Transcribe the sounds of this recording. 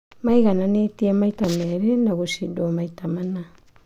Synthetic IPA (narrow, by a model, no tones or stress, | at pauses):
majɡananetiamajtameɾenaɡusidomajtamana